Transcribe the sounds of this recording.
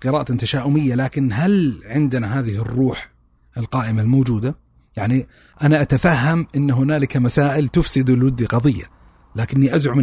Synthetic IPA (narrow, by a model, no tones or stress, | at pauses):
qɨɾɑːʔat̪t̪aʃaːʔʊmɪjːalaːkɪnɦalʕɪnd̪ɪnaɦaːðɪhɪrːuːħ | ʔɪlqɑːʔɪmalmoːd͡ʒuːd̪a | jaʕni | ʔanaʔat̪afaɦːamʔɪnːɦʊnaːlɪkamasaːʔɪlt̪ʊfsɪd̪ɪlwɪd̪ːiqɑðˤɨjːa̰ | laːkɪnːiʔazʕʊm